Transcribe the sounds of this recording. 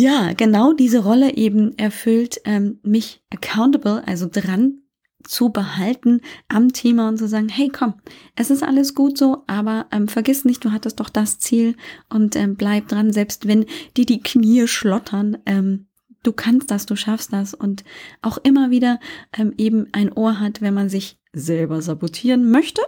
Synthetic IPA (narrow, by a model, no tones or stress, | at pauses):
jaːɡ̥ənaʊdiːzəʁɔləʔeːbm̩ʔɛɐfʏltʔɛːmmɪçʔəkʰaʊntəbl̩ʔa̰lzodʁan | t͡subəhaltn̩ʔamtʰeːmaʊnt̚t͡suzaːɡŋ̩hɛɪkʰɔmʔɛsɪstʔa̰ləsɡ̥uːtz̥oːʔaːbɐʔɛːmfɛɐɡɪstnɪçt̚d̥uːɦatəst̚d̥ɔχd̥ast͡siːlʔʊntʔɛːmblaɪp̚d̥ʁanzɛlpstv̥ɛnd̥iːɐdiːkʰniːəʃlɔtʰɐnʔɛːm | d̥uːkʰanst̚d̥asd̥uːʃafstd̥asʊntʔaʊxʔɪmɐviːdɐʔɛːmʔeːbm̩ʔaɪnʔoːɐɦatv̥ɛnmanzɪç | zɛlbɐzabotʰiːʁənmœçtə